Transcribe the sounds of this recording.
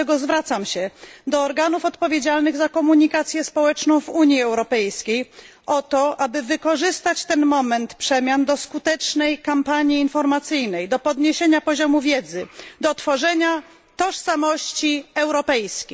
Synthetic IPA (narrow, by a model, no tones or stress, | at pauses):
ɛɡɔzvɾat̪samɕɛd̪ɔːɾɡanufɔt̪pɔvʲjed͡ʑalnɘɣzakɔmuɲikat̪sʲjɛspɔwɛt͡ʂnɔ̃w̃vuɲjiɛwɾɔpɛjskʲej | ʔɔt̪ɔʔabɘvɘkɔʐɘst̪at͡ɕt̪ɛnmɔmɛnt̪pʂɛmʲjand̪ɔskut̪ɛt͡ʂnɛjkampaɲjiːnfɔɾmat̪sɘjnɛjd̪ɔpɔd̪ɲeɕeɲapɔʑɔmuvʲjɛd̪zɘd̪ɔt̪fɔʐɛɲa | t̪ɔʂsamɔɕt͡ɕiɛwɾɔpɛjskʲi